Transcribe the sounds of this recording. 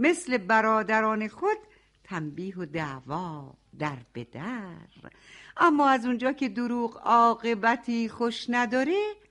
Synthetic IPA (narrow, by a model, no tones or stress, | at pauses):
me̞sle̞bæɾɒːd̪æɾɒːne̞xod̪̥̚ | t̪ʰæmbiːɦod̪ævɒː | d̪æɾb̥ḛd̪̥æɾ | ʔæmːɒːæzund͡ʒɒːcʰe̞d̪oɾuːɢɒːɣe̞bæt̪ʰiːxoʃnæd̪ɒːɾe